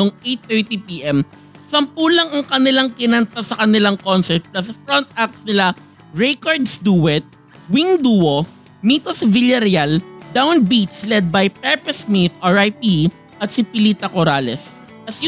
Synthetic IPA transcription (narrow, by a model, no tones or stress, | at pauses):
oŋejt̪θɛɹt̪ipiʔɛm | sɐmpuːlɐŋɐŋkɐnɪlaŋkɪnɐnt̪asɐkɐnɪlaŋkonsɛɹt̪̚plɐsfɹɔnt̪̚ʔak̚snɪla | ɹɛkoɹd̪sd̪uːwɛt̪̚ | wiŋd̪uːo | miːt̪osvɪljɐɾald̪awnbit̪slɛd̪̚bɐjpɛɹpɛsmit̪ʔaɹajpi | ʔɐt̪̚sɪpɪliːt̪ɐkoɾaːlɛs | ʔɐs